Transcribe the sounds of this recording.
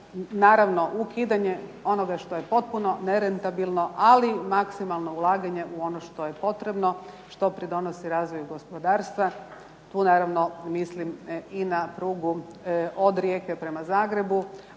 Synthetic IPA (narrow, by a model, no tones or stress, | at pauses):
naːɾaʋno̞ʔukiːd̪aɲe̞o̞no̞ɡaʃt̪o̞jepo̞t̪̚puno̞ne̞ɾent̪abilˠno̞ʔalimaksimalˠno̞ulˠaːɡaɲe̞ʔuo̞noʃt̪o̞jepo̞t̪ɾe̞bno̞ | ʃt̪o̞pɾid̪o̞no̞siɾaːzʋo̞juɡo̞spo̞d̪aːɾst̪ʋa | t̪uːnaːɾaʋno̞misliminapɾuːɡuʔod̪ɾjeːkepɾe̞mazaːɡɾe̞bu